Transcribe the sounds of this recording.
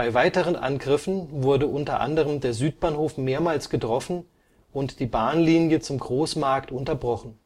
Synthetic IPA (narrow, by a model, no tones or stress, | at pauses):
b̥aɪvaɪtəʁ̞ənʔa̰nɡʁɪfn̩vʊɐdəʔʊntɐʔa̰ndəʁəmdeːɐzyːt̚b̥aːnhoːfmeːɐmaːlsɡ̥ətʁ̥ɔfn̩ | ʔʊntd̥iːbaːnliːnjət͡sʊmɡʁoːsmaɐktʊntɐbʁɔχn̩